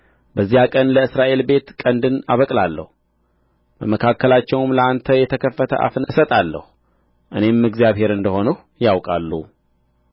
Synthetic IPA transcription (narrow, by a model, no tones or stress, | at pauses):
bəzːijakʼənləɨsɾaʔe̞lbe̞t̪kʼənd̪ɨna̰βəkʼlalːə̰hu | bəməkʰakːəlat͡ʃːɛwmləant̪ʰəjɛt̪ʰəkʰəfːət̪ʰə̰ʔa̰fnəsət̪ʼalːə̰hu | ʔɨne̞mːɨɡzijaβhe̞ɾɨnd̪əho̞nəh | jawkʼalːṵ